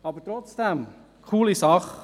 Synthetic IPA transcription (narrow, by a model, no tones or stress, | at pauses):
ɑːbəɾtɾɔt͡sd̪̥ɛm | kʰuːlisɑχ